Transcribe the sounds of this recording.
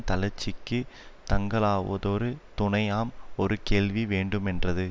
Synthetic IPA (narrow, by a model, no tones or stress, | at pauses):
t̪ɐlɐɾt͡ʃːɪkːɯt̪ɐŋɡɐɭaːʋɐ̰ðoːɾɯt̪ʊɳɐjaːmɔɾɯkeːlʋiʋeːɳɖɯmɛndrɐðɯ